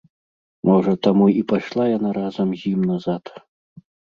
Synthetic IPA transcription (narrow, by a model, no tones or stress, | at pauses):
mɔʐɐt̪amuipaʂlˠajanaɾazɐmɣʲimnɐzat̪